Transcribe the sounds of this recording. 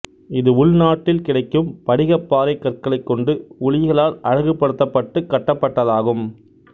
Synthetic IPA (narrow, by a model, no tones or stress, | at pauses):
ɪðɯʊɭnaːʈːɪlkɪɽɐɪkːɯmpɐɽɪɣɐpːaːɾɐɪkːɐrkɐɭɐɪkːɔɳɖɯʊlɪɣɐɭaːlʔɐɻɐɣɯpːɐɽɯt̪ːɐpːɐʈːɯkːɐʈːɐpːɐʈːɐðaːɣɯm